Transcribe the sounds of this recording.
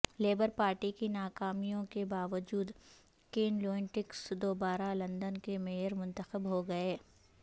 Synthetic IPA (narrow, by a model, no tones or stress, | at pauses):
leːbəɾpaːɾʈikinaːkaːmijõkebaːʋəd͡ʒuːd̪ | keːnloːɪ̃ɳʈɪksd̪oːbaːɾalɐ̃nd̪ənkemeːjəɾmʊ̃nt̪əxəbɦoɡɐeː